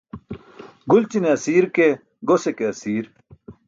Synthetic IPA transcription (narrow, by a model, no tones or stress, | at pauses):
ɡult͡ɕineɐsiːɾke | ɡosekeɐsiːɾ